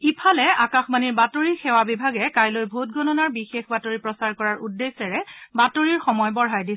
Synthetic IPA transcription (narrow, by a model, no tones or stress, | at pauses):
ipʰalɛakaxmaniɹbatoɹixɛwabibʱaɡɛkajlojbʱut̚ɡʱɔnɔnaɹbixexbatoɹipɹɔsaɹkɔɹaɹʔudːesɛɹɛbatoɹiɹxɔmɔjbɔɹɦajdi